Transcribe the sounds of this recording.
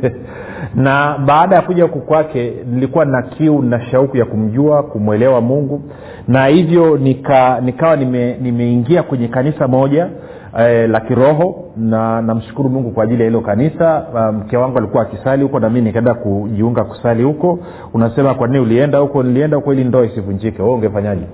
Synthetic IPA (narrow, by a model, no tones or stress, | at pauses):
naɓaːɗajakuʄahukɔkwakɛnilikuwanakʰiuninaʃaukujakum̩ʄuakumwɛlɛwamuŋɡu | nahivjɔnikanikawanimɛnimɛiŋɡiakwɛɲɛkanisamɔʄa | lakiɾɔɦɔ | nanam̩ʃu̥kuɾumuŋɡukwaːʄilijahilɔkanisam̩kɛwaŋɡualikuwaːkisalihukɔnamiminikɛndakuʄiuŋɡaku̥salihukɔ | unasɛmakwaniniuliɛndahukɔniliɛndahukɔilindɔaisivuɲd͡ʒikɛhɔɔuŋɡɛfaɲaʄɛ